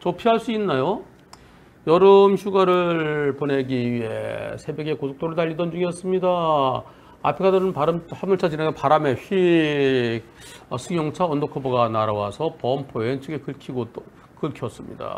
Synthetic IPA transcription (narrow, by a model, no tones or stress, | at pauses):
t͡ɕʌpʰiɦaɭs͈uinːajo | jʌɾɯmɕʰuɡaɾɯɭpone̞ɡiɥiḛsʰe̞beɡe̞kosʰo̥k̚t͈oɾɯɭtaʎːidʌnd͡ʑuŋiʌs͈ɯmɲida | a̰pʰeɡʰadɯɾɯnpaɾɯmhamɯɭt͡ɕʰad͡ʑinaɡepaɾame̞ɕi | ʌsʰuŋjʌŋt͡ɕʰaʌndokʰʌboɡanaɾawasʰʌpʌmpʰoent͡ɕʰɯɡekɯɭkʰiɡo | kɯɭkʰjʌs͈ɯmɲḭda̰